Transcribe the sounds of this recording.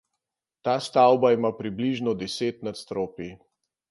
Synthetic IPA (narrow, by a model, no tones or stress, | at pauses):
t̪aːst̪awbaimapɾibliʒnɔd̪ɛseːt̪nat̪st̪ɾoːpi